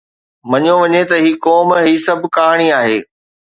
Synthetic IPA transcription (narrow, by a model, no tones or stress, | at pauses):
mɐɲoʋɐɲet̪ɐɦiːkɔːmɦiːsɐbʱkaːɦɽ̃iaːɦḛː